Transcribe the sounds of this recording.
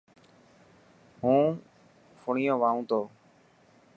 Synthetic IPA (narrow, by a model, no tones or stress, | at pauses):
ɦũː | fʰʊɳijõːʋaːũːt̪oː